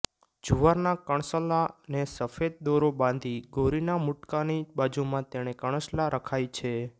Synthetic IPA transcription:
d͡ʒuʋaɾnakəɳ̃səlanesəfed̪̚d̪oɾobãnd̪ʱiɡʱoɾinamuʈkanibad͡ʒumãt̪eɽ̃ekəɳ̃əslaɾəkʰajt͡ʃʰe

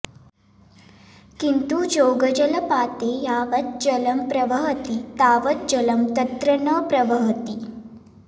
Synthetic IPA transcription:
kint̪ud͡ʒoːɡəd͡ʑɐlɐpaːt̪ejaːʋət̪̚d͡ʑɐlɐmpɾɐʋəɦət̪it̪aːʋət̪̚d͡ʑɐləmt̪ɐt̪ɾənəpɾɐʋəɦt̪i

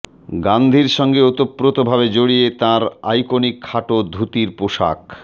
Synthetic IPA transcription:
ɡand̪ʱiɾʃɔŋɡeot̪opːɾot̪obʱaβed͡ʑoɽijet̪ãɾa̰jkonikʰːaʈod̪ʱut̪iɾpoʃa̰k

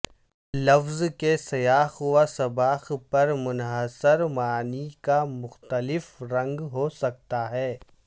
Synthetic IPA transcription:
lɐfzkesɐjaːxwasɐbaːxpɐɾmʊnɦəsɪɾmaːnikamʊxt̪əlɪfɾɐ̃ŋɡɦosɐk̚t̪aɦɛː

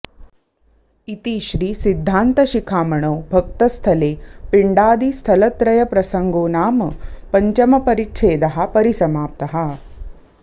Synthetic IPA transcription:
it̪iʃɾiːsid̪ʱːaːnt̪ɐʃikʰaːmɐɳoːbʱɐk̚t̪ɐst̪ʰɐleːpiɳɖaːd̪ist̪ʰɐlɐt̪ɾɐjɐpɾɐsɐŋɡoːnaːmpɐɲt͡ʃɐmɐpɐɾitʃʰeːd̪ɐɦɐ̆pɐɾisɐmaːp̚t̪ɐɦɐ

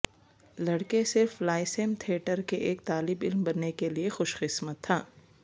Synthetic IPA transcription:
lɐɽkesɪɾflaːɪsemt̪ʰeːʈəɾkeʔeːk̚t̪aːlɪbɪlmbɐnːekeliexʊʃqɪsmət̪ʰːaː

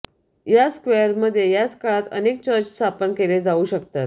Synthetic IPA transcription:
jaskʋejəɾməd̪ʱːjejat͡skaɭat̪ə̰nek̚t͡ɕəɾt͡ɕst̪ʰapənkeled͡zauːɕəkt̪at̪

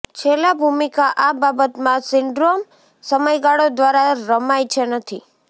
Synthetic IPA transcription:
t͡ʃʰelabʱumikaʔababət̪mãsɪɳɖɾom | səməjɡaɽod̪ʋaɾaɾəmajt͡ʃʰenət̪ʰi

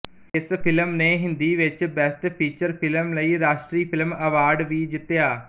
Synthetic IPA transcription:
ɪspʰɪləmneːɦɪ̃nd̪iːʋɪt͡ʃbɛsʈpʰiːt͡ʃəɾpʰɪləmləiːɾaːʃʈɾiːpʰɪlməʋaːɾɖʋiːd͡ʒɪt̪ːejaː

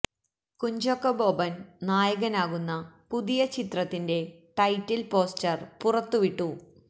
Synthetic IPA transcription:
kuɲd͡ʑokːɐbo̞ːbɐnnaːjɐɣɐnaːɣunːɐpuðijɐt͡ɕit̪rɐt̪ːinde̞ʈɐjtːilpo̞ːstɐrpurɐt̪ːuʋiʈːu

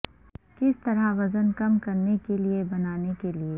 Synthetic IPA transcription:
kɪst̪ɐɾaʋɐzənkɐmkɐɾnekeliebɐnaːnekelie

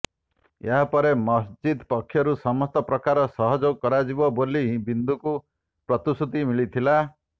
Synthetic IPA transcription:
eɦapɔɾemɔsd͡ʒid̪pɔkʰːjɔɾusɔmɔst̪ɔpɾɔkaɾɔsɔɦɔd͡ʒɔkɔɾad͡ʒibɔbolibind̪uku | pɾɔt̪usut̪imiɭit̪ʰila

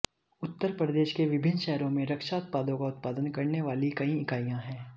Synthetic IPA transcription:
ʊt̪ːəɾpɾəd̪eːʃkeʋɪbʱɪnːʃɛɦɾõmẽɾɐkʃaʊt̪̚paːd̪õkaʊt̪̚paːd̪ənkɐɾneʋaːlikɐĩɪkaːijãɦɛ̃ː

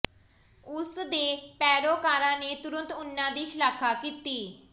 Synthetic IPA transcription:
ʊsd̪eːpɛːɾoːkaːɾãːneːt̪ʊɾə̃nt̪ʊnːãːd̪iːʃəlaːkʰaːkiːt̪iː

